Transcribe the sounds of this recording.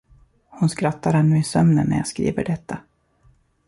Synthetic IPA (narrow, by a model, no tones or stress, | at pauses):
hʊnskɾat̪ːaɾhannʉ̟ːɪsœmnənːæ̰ɾjɑ̰ːskɾḭːvə̰ɖɛt̪ʰːa